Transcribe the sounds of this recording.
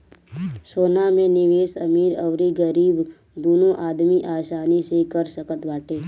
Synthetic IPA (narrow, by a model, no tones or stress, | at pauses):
soːnamẽnɪʋeːsəmiːɾəʋɾiɡəɾiːb | d̪oːnõʔaːd̪miʔaːsaːnisekəɾsəkət̪baːʈeː